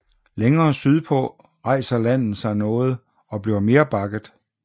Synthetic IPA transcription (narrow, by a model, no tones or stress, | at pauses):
leŋɐːsyð̞ˠpʰɔ | ʁɑ̈ɪ̰sɐlæn̰ð̩ˠsɑ̈ɪnɔ̽ːð̞̩ˠ | ɒ̽b̥liɐme̝ːɐb̥ɑ̈ɡ̥ð̩ˠ